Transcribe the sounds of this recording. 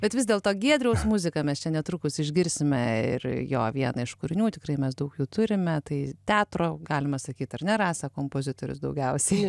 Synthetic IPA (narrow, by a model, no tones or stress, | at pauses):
bʲɛt̪ʋʲɪzd̪ʲeːlˠt̪oːɡʲiɛd̪ʲɾʲɛʊsmʊzʲɪkɐmʲɛst͡ʃʲɛnʲɛt̪ɾʊkʊsɪʒʲɡʲɪɾʲsʲɪmʲɛɪ̰rjo̰ːʋʲiɛnɐɪʃkʊɾʲɪnʲuːt̪ʲɪkrɐɪmʲɛsd̪ɐʊkjuːt̪ʊɾʲɪmʲɛt̪ɐɪt̪ʲæːt̪roːɡɑːlʲɪmɐsɐkʲiːt̪ɐrnʲɛɾɑːsɐkoːmpoːzʲɪt̪oːɾʲʊ̰sd̪ɐʊɡʲɛʊsʲɛɪ